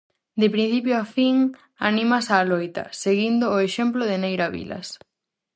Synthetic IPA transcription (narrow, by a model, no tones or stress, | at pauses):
d̪ɪpɾin̟θip̬joafiŋ | a̰nĩmasaːlojt̪ɐ̰seɣind̪ʊːeʃemploðɪnejɾaβḭlɐ̰s